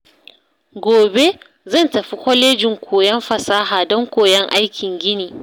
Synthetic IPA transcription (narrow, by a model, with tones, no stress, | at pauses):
ɡʷoː˨be˦ | zɐ˦˨ntɐ˨ɸi˦kʷɔ˦leː˦d͡ʒɪ˨ŋkʷʰoː˨jɛ˦mɸɐ˨saː˦ɦaː˨dɔ˦ŋkʷoː˨jɛ˦ŋʔa˦jkʲɪ˨ŋɡʲɪ˦niː˨